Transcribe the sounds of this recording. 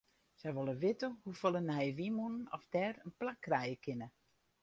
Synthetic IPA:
sɛjʋolˠəʋɪtəhufolˠənɦɛjʋimunənɔ̰fdɛrənplakːrɛjəkʰɪnə

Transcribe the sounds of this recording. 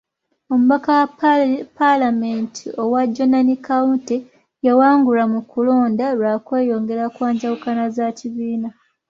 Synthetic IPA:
o̞muβakawapalamentʰio̞waɟːonanikawunte | jawaːŋɡulamukulo̞ːndaɾwaːkweːjo̞ːŋɡe̞ɾakwaːɲɟawukanazaciβiːna

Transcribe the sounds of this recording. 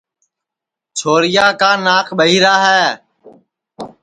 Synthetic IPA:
t͡ʃʰoːɾɪjaːkaːnaːkʰɓəɦiːɾaːɦɛː

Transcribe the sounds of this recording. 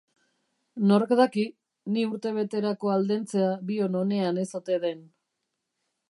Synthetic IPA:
no̞ɾkd̪aki | niuɾt̪e̞β̞e̞t̪e̞ɾako̞ald̪e̞nt͡se̞aβio̞no̞ne̞ane̞so̞t̪e̞ðe̞n

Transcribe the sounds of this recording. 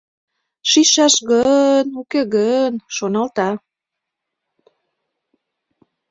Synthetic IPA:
ʃiʃɑʃɣənukeɣənʃonɑlt̪ɑ

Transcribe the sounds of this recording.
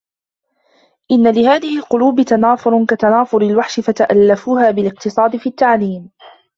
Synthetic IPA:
ʔɪnːalɪhaːðɪhɪlqʊluːbɪt̪anaːfʊɾkat̪anaːfʊɾɪlwaħʃɪfat̪aʔalːafuːhaːbɪlɪq̚t̪ɨsˤɑːd̪ɪfiːat̪ːaʕliːm

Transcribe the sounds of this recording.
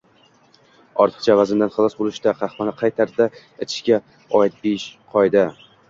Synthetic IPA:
ɒɾt̪ʰɨ̥qt͡ʃʰavazɪmd̪anχɨlˠɒsbolˠɪʃd̪aqʰɑχhpɒnaqʰɑjt̪ʰaɾd̪a | et̪ʰɪ̥ʃkʲa | ɒɪt̪̚beɪʃqʰɒjd̪ɪ

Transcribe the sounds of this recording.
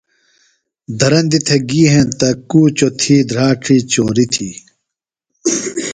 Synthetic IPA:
d̪ʱɐɾɐnd̪it̪ʰeɡiːɦẽnt̪ɐkuːt͡ɕot̪ʰiːd̪ɾaːʈ͡ʂʰiːt͡ɕoːɾit̪ʰḭː

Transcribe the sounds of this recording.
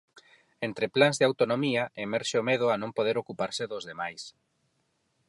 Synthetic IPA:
ent̪ɾeplanzðeawt̪onomiɐemɛɾʃeomeð̞ʊanõmpoðeɾokupaɾsɪðozðemajs

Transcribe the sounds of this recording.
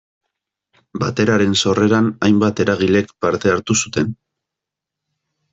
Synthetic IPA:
bat̪e̞ɾaɾe̞nso̞re̞ɾanajmbat̪e̞ɾaɣile̞kpaɾt̪e̞aɾt̪usu̥t̪e̞n

